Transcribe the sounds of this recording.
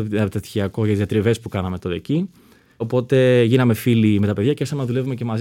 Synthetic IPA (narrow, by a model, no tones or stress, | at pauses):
t̪ɐt̪çiɐko̞ʝɐt̪izɐt̪ɾive̞spukɐnɐme̞t̪oɾeci | o̞po̞t̪e̞ʝinɐme̞filime̞t̪ɐpeðjɐcesɐmnðule̞vume̞ce̞mɐz